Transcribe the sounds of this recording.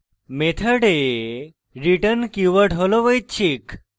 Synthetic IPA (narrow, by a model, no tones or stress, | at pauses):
met̪ʰəɽe | ɾiʈənkjuʋəʈɦoloʋəjt͡ɕʰik